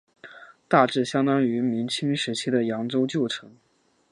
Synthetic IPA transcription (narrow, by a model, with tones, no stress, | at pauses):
t̪a˥˧ʈ͡ʂɻ̩˥˩ɕjɑ˥ŋt̪ɑ˥ŋy˧˥mi˧˥ŋt͡ɕʰi˥ŋʂɻ̩˧˥t͡ɕʰi˥d̪ə˨jɑ˧˥ŋʈ͡ʂo˥ʊt͡ɕjo˥˩ʊʈ͡ʂʰɤ˧˥ŋ